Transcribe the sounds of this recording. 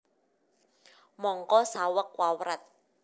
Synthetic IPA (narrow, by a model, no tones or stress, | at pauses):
mɔːŋkɔːsaːwakwaːwɾat̪̚